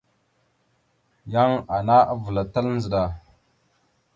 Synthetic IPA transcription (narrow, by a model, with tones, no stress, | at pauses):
ja˦ŋa˨na˦ʔa˦və˨la˨ta˦ln˦zə˨ɗa˨